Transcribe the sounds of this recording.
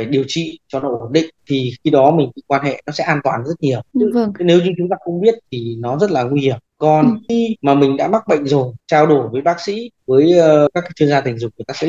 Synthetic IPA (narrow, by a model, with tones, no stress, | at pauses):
faː˧˩jɗi˨˩əwt͡ɕḭ˧˨t͡ɕɔ˧nɔ̰˧˦ʔo˧˩nɗḭ̈˧˨ŋ̟t̪ʰi˨˩xi˧ɗɔ˨˦mï̟˨˩ɓḭ˧˨kwaː˧nɦḛ˧˨nɔ˨˦sɛ̰˧˥ʔaː˧nt̪waː˨˩nzə˦˥t̚ɲi˨˩əwne˨˦wzʊ˧t͡ɕʊ˨˦ŋ͡mt̪aː˧xə˧wŋ͡mɓi˦˥ət̚t̪ʰi˨˩nɔ˨˦zə˦˥t̚laː˨˩ŋwi˧hi˧˩əmkɔ˨˩nxi˧maː˨˩mï˨˩ŋ̟ɗa̰ː˧˥ma˦˥k̚ɓə̰˧˨jŋ̟zo˨˩jt͡ɕaː˧wɗo˧˩jvəː˨˦jɓaː˦˥k̚sḭ˧˥vəː˨˦jkaː˦˥kːaː˨˦jt͡ɕɨ˧əŋzaː˧t̪ï˨˩ŋ̟zʊ˨˩ŋ͡m̚ŋɨ˨˩˨jt̪aː˧sɛ̰˧˥